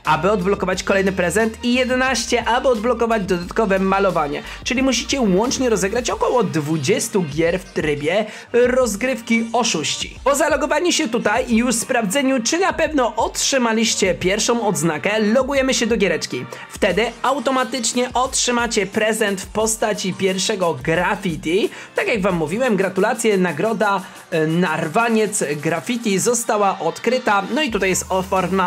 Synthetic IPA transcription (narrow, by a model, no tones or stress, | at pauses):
abɘɔd̪blɔkɔvat͡ɕkɔlɛjnɘpɾɛzɛnt̪ʰijɛd̪ɛnaɕt͡ɕɛʔabɘɔd̪̚blɔkɔvad͡ʑd̪ɔd̪at̪kɔvɛmalɔvaɲɛ̰ | t͡ʂɘlʲimuɕit͡ɕɛwɔnt͡ʂɲɛɾɔzɛɡɾat͡ɕɔkɔwɔd̪vud͡ʑɛst̪uɡʲjɛɾft̪ɾɘbʲjɛ | ɾɔzɡɾɘfkʲiɔʂuɕt͡ɕḭpɔzalɔɡɔvaɲuɕɛt̪ut̪ajiuspɾavd̪zɛɲut͡ʂɘnapɛvnɔʔɔtʂɘmalʲiɕt͡ɕɛpʲjɛɾfʂɔ̃w̃ɔd̪znakɛlɔɡujɛmɘɕɛd̪ɔɡʲjɛɾɛt͡ʂkʲift̪ɛd̪ɘawt̪ɔmat̪ɘt͡ʂɲɛʔɔtʂɘmat͡ɕɛpɾɛzɛnt̪fpɔst̪at͡ɕipʲjɛɾfʂɛɡɔɡɾafʲit̪ʲi | t̪akjaɡvamːuvʲiwɛmɡɾat̪ulat̪sʲjɛnaɡɾɔd̪a | naɾvaɲɛt̪sɡɾafʲit̪ʲizɔst̪awaʔɔt̪kɾɘt̪anɔit̪ut̪ajɛst̪ɔfɔɾna